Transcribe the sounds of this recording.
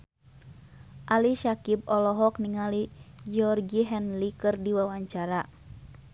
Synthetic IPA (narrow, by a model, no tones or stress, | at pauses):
ʔaliʃakib̚ɔlɔɦɔk̚niŋalid͡ʒiɔrɡiɦɛnlikɨrdiwawaɲt͡ʃaɾa